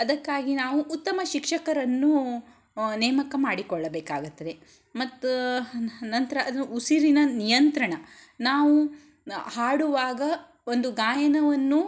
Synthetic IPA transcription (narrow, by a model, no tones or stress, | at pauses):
ɐd̪ɐkːaːɡinaːʋuʔːt̪ːɐmɐʃikʂɐkɐɾɐnːu | nɛːmɐkɐmaːɽikɔɭːɐbeːkaːɡut̪ːɐd̪e̞ | mɐt̪ː | nɐnt̪ɐɾɐʔɐd̪uusiɾinɐnijɐnt̪ɾɐɳɐnaːʋu | haːɽuʋaːɡɐ | o̞nd̪uɡaːjɐnɐʋɐnːu